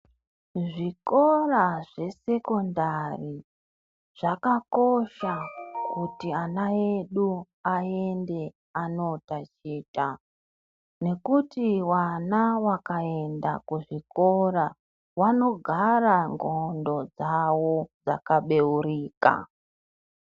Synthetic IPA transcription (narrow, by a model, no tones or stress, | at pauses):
ʐiko̞raʐe̞se̞ko̞ndari | ʐ̥akako̞ʃakutianaeɗu | ae̞nde̞ | ano̞tat͡ʃiːta | ne̞kutiwanawakae̞nda̰kuʐikoɾa | wano̞ɡʱaraŋɡondo̞d͡zawo̞d͡za̰kaɓe̞uriːka̰